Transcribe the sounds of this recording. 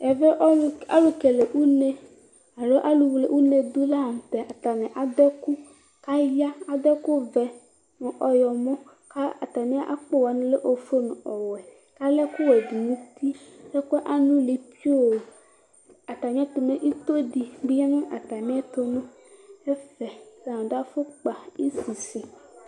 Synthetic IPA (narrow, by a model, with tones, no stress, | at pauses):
ɛ˨ve˦ʔa̰˦lu˨ke˨le˨ʔu˦nẽ˨ | a˨lo˦ʔa˦lu˨wle˨ʔu˦ne˨d̪u˦la˦˨t̪ɛ˨ʔa˨t̪a˨nɛ̃˨ʔa˨d̪ɛ˦ku˦ | ka˦ja˦a˨d̪ɛ˦ku˦vɛ˨ | nʊ̃˨ʔɔ˨jɔ˨mɔ̃˦ | ka˦a˨t̪a˨nĩ˦a˦ʔa̰˦k͡po˦wa˨nʊ̃˦le˦ʔo˨fo˦nʊ̰̃˨ɔ˨wɛ˨ | ka˦lɛ˦ku˦wɛ˨du˨nũ˦t̪ʰi˦e˦kɔ˦ʔa˦nũ˦li˨pi˦o˦˨ | a˨t̪a˨ɲ˦ɛ̃˦t̪o˨nẽ˦ʔi˦t̪o˦ɖi˨bi˦ɲa˦nũ˦ʔa˨t̪a˨nĩ˦ɛ˦t̪o˦nũ˦ | e˦fɛ˨sɖa˦fo˦k͡pa˨i˦si˨si˨